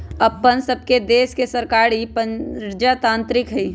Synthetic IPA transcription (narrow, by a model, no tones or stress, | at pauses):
ɐpːənsəb̚ʱked̪eːskesəɾkaːɾipəɾd͡ʒat̪ãːnt̪ɾɪkɦi